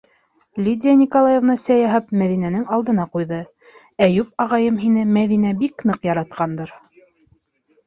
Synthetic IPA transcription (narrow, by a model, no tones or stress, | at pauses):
lʲid̪ʲɪjanʲikolˠajevnɑsæjɑɦɑp̚mæðinænɘŋɑlˠd̪ɤ̆n̪ɑqujðɤ | æjʉp̚ɑʁɑjɤmɦinɘmæðinæbiknɤqjɑɾɑt̪̚qɑnd̪ɤɾ